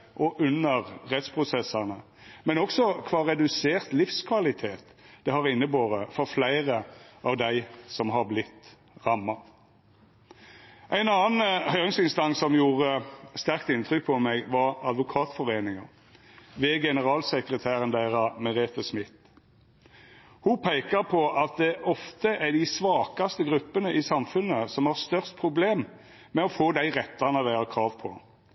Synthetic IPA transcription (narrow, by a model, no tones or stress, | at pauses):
ʔɔʔʉnəʁʁɛt̪spʰʁʊsɛsɑnə | mɛnɔksɔkʰʋɑːʁɛd̪ʉseːʁt̪lɪfskʰʋɑlɪt̪ʰeːt̪d̪̥ɛhɑʁɪnːəboːʁəfɔʁflæɪʁəʔɑːʋd̪æɪsɔmɦɑʁblɪt̪ | ʁɑmːɑ | ʔæɪnɑːn̩hœʏʁɪŋsɪnst̪ɑŋsɔmjuːʁəst̪æʁk̚t̪ɪnt̪ʰʁʏk̚pʰɔmɛɡʋɑʁɑd̪ʋʊkʰɑːt̪fɔʁeːnɪŋə | ʋeːɡɛnəʁɑːlsəkʁət̪ʰæːʁənd̪æɪʁɑmɛʁeːt̪əsmɪt̪ | hʊpʰæɪkəʁpʰɔʔɑt̪̚d̪ɛʔɔft̪əʔɛɖ̪ɪsʋɑːkɑst̪əɡʁʉpːənəʔɪsɑmfʉnəsɔmhɑʁst̪œʁst̪̚pʰʁʊbleːm | mɛɔfoːd̪æɪʁɛt̪ːɑnəd̪æɪəkʰʁɑːʋpʰɔ